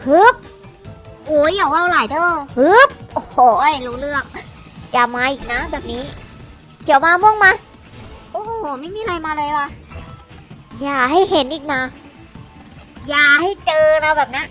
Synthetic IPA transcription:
hɯ˦˥p̚ | ʔoː˨˩˦jaː˨˩kwa˧˩wlaː˨˩˦jdɤː˧˩whɯ˦˥p̚ʔo˧˩hoː˧˩lu˧˩lɯ˥˩ək̚ | jaː˨˩maː˧ʔiː˨˩k̚na˦˥bɛː˨˩p̚niː˦˥ | kʰi˨˩˦wmaː˧mɔ˧˩˨ŋmaː˧ | ʔoː˧˩˨ma˥˩jmiː˧ɾa˧jmaː˧lɤː˧jwa˧ | jaː˨˩ha˥˩jɦe˨˩˦nʔiː˨˩k̚na˧˥ | jaː˨˩ha˥˩jt͡ɕɤː˧ɾa˧wbɛː˨˩p̚na˦˥

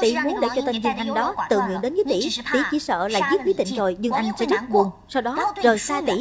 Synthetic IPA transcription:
t̪ḭ˧˩mu˨˦ənɗe˧˩t͡ɕɔ˧t̪ə˧nzɨ˧əŋʔa˧jŋ̟ɗɔ˨˦t̪ɨ̰˧˨ŋḭ˧˨ənɗe˨˦nvəː˨˦jt̪ḭ˧˩t̪i˧˩t͡ɕi˧˩sə̰ː˧˨laː˨˩zət̚vi˨˦t̪ḭ˧˨ŋ̟zo˨˩jzɨ˧ŋʔa˧jŋ̟sɛ̰˧˥zə˦˥t̚ɓu˨˩ən | sa˧wɗɔ˨˦zo˨˩jsaː˧t̪ḭ˧˩

